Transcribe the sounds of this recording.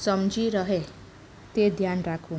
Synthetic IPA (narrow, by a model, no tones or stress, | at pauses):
sʌmd͡ʒiɾʌɦe | t̪ed̪ʱjanɾakʰũ